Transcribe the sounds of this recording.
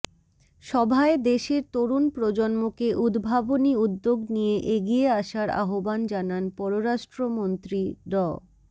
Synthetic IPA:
ʃɔbʱaed̪eʃeɾt̪oɾunpɾod͡ʑonmokeʔud̪bʱaboniud̪ːoɡnijeʔeɡieaʃaɾa̰ɦoband͡ʑananpɔɾoɾaʃʈɾomont̪ɾiɖɔ

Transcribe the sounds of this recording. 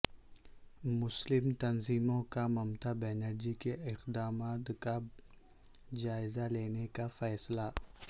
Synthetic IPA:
mʊslɪmt̪ɐnziːmõkamɐmt̪abɛːnəɾd͡ʒikeɪqd̪aːmaːt̪ka | d͡ʒaːɪzaleːnekafɛːsla

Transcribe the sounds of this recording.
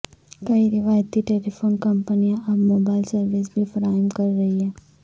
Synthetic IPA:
kɐiɾɪʋaːjət̪iʈeːlifʰoːnkɐ̃mpənijãʔɐbmoːbaːɪlsɐɾʋɪsbʱifɐɾaːɦəmkɐɾːɐɦiɦɛ̃ː

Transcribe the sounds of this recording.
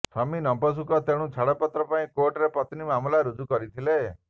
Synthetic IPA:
tʰɔminɔmpɔs̬ukɔt̪eɽ̃ũt͡ʃʰaɽɔpɔt̪ɾɔpaĩkoɾʈɾepɔt̪nimamulaɾud͡ʒukɔɾit̪ʰile

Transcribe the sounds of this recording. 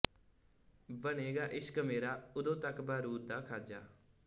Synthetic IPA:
bəneːɡaːʔɪskəmeːɾaːʊd̪õːt̪əkbaːɾuːt̚d̪aːkʰaːd͡ʒaː

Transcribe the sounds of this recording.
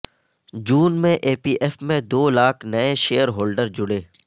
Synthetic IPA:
d͡ʒuːnmẽʔeːpiːʔeːfmẽd̪oːlaːkʰnɐẽʃeːəɾɦoːlɖəɾd͡ʒʊɽeː

